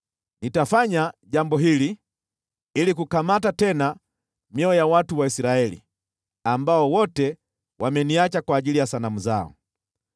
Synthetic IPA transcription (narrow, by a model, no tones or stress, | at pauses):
nitafaɲaɟambɔɦili | ilikukamatatɛna | mjɔɔjawatuwaisiɾaɛlḭ | ambaɔwɔtɛ | wʔamɛniat͡ʃakwaːʄilijasanamuzaɔ̰